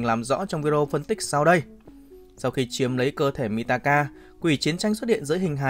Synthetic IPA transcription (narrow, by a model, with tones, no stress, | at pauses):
ŋlaː˨˩mzɔ̰˧˥t͡ɕɔ˧wŋ͡mvi˧ɾo˧fə˧nt̪ï˦˥k̟̚sa˧wɗə˧j | sa˧wxi˧t͡ɕi˨˦əmlə˨˦jkəː˧t̪ʰe˧˩mi˧˩t̪aː˧kaː˧ | kwi˧˩t͡ɕi˨˦ənt͡ɕa˧jŋswt̚hḭ˧˨ənzɨ̰˧˥jɦŋ̟ɦa̰ː˧˨